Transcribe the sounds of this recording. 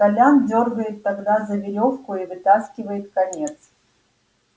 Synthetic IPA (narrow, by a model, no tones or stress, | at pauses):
kɐlʲandʲorɡəjɪt̪ːɐɡd̪azəvʲɪɾʲofkʊivɨt̪askʲɪvəjɪt̪̚kɐnʲe̞t̪s